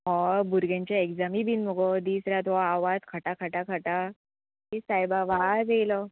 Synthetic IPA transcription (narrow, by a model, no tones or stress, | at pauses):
ɦɔbuɾɡãɲt͡ɕjaekd͡zamibiːnmɔɡɔd̪iːsɾat̪ɔaʋatkʰəʈakʰəʈakʰəʈa | tisajbaʋad͡zejlɔ